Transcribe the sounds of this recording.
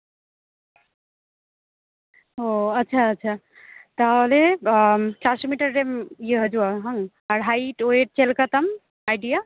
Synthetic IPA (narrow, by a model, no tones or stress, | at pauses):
oɐtːʃʰaːtːt͡ʃʰa | t̪əɦole | t͡ʃasmiʈəɾːemjeɦəd͡ʒuaɦəŋ | aɾɦajʈoeʈ̚t͡ʃelkət̪əm | ajɖija